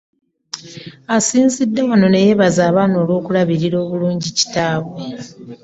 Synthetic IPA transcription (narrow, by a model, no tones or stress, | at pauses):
asiːnzidːe̞wano̞ne̞je̞βazaːβaːno̞ːlwo̞ːkulaβiɾiɾo̞ːβuluːɲɟici̥taːβwe